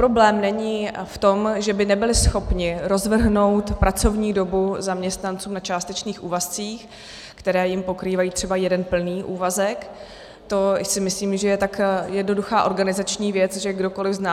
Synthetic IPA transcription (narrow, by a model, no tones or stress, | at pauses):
pɾo̞blɛːmnɛɲiːft̪o̞mʒɛbɪnɛbɪlɪsxo̞pɲɪɾo̞zvr̩ɦno̞wt̪pɾat͡so̞vɲiːdo̞buzamɲɛst̪nant͡suːmnat͡ʃaːst̪ɛt͡ʃniːxʔuːvast͡siːx | kt̪ɛɾɛːjɪmpo̞kɾiːvajiːt̪r̥ɛbajɛdɛnpl̩niːʔuːvazɛk | t̪o̞sɪmɪsliːmʒɛjɛt̪akjɛdno̞duxaːʔo̞ɾɡanɪzat͡ʃɲiːvjɛt͡sʒɛɡdo̞ko̞lɪvznaː